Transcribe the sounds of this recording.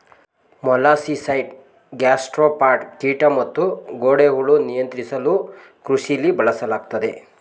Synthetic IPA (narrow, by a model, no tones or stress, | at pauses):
mɔlaːsisɐjɖ | ɡaːsʈɾopaːɾʈʈiːʈɐmɐt̪ːuɡoːɽeɡɐɭunijɐnt̪ɾisɐlu | kɾuʃilibʱɐɭɐsɐlaːɡ̚t̪ɐd̪e